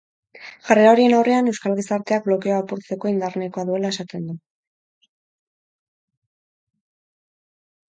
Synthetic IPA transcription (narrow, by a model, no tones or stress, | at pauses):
ʝareao̞ɾie̞nawre̞ane̞wskalɣisaɾt̪eak̚blo̞keoapuɾt͡se̞ko̞ind̪arne̞ko̞aðue̞lae̞sat̪e̞nd̪u